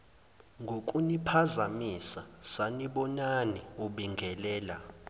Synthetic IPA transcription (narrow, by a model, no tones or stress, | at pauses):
ŋɡʱok̬ʼunipʰazamisasaniɓɔnaniuɓiŋɡʱɛlɛːla